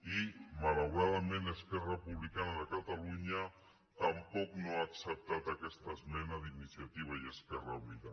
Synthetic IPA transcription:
imalawɾaðəmẽnəskɛrəpuβlikanaðəkat̪aluɲa | t̪ampɔknoaːksəp̚t̪at̪akɛst̪əzmɛnaðinisiat̪iβ̞ajeskɛraβiða

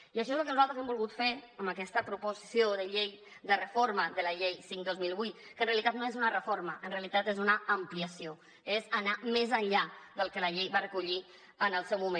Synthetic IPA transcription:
iəʃ̬ɔezəlˠkənuzalt̪ɾəzɛmbulˠɣut̪feɾəmbəkɛst̪əpɾupuzisioðəʎej | d̪ərəfoɾməðələʎejsiŋkd̪ozmilˠβut̪kənreəlit̪at̪noezunərəfoɾməʔənreəlit̪at̪ezunəəmpliəsio | ezənamɛzəɲʎaðəlˠkələʎejβarəkuʎi | ənəlˠsɛwmumẽ

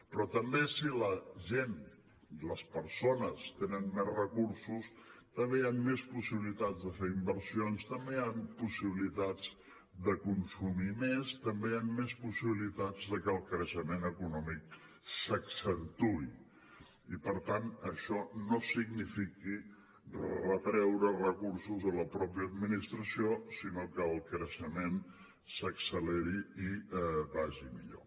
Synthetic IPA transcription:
pɾɔt̪əmbesiləʒen | ləspəɾsonəst̪enənmezrəkuɾsust̪əmbeamːespusiβilit̪ad͡zðəfeɾimbəɾsionst̪əmbeampusiβ̞ilit̪ad͡z | d̪əkunsumimest̪əmbeamːespusiβilit̪ad͡zðəkəlˠkɾəʃəmenəkunɔmik̚ | səksənt̪ui | ipəɾt̪anəʃɔnosiɡnifiki | rərət̪ɾɛwɾərəkursuzðələpɾɔpiəːd̪minist̪ɾəsiosinokəːlˠkɾəʃəmen | səksəleɾiibaʒimḭʎo̰

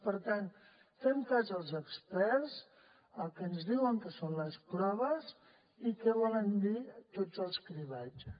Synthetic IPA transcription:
pəɾt̪an | fɛmkazəlˠzəkspɛɾz | əlˠkɛənzðiwəŋkəsonləspɾɔβ̞əz | ikɛβɔlənd̪it̪od͡zəlˠskɾiβat͡ʃ

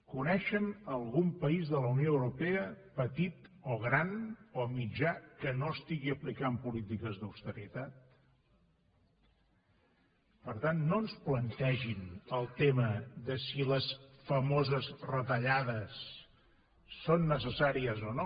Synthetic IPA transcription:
kunɛʃənəlˠɣumpəizðələwnioəwɾupeə | pət̪it̪oɣ̞ɾanomid͡ʒakənoəst̪iɣiəplikampulit̪ikəzðuwst̪əɾit̪at̪̚ | pəɾt̪anːoənsplənt̪ɛʒinəlˠt̪eməðəsiləsfəmozəzrət̪əʎaðəs | onːəsəsaɾiəzono

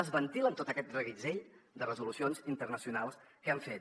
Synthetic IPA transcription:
əzβənt̪ilənt̪ot̪əkɛt̪̚d̪rəɣid͡zeʎd̪ərəzulusionzint̪ərnəsiunalˠs | kəaɱfet̪

